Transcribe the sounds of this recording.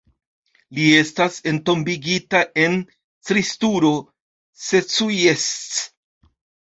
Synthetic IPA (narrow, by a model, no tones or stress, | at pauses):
lie̞stase̞nto̞mbiɡitaʔe̞n | tɾistuɾo̞ | se̞t͡sujest͡s